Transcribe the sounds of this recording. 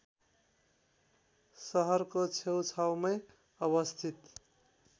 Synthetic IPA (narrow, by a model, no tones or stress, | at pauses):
sʌɦʌɾkot͡sʰewt͡sʰawmʌj | ʌβʌst̪ʰit̪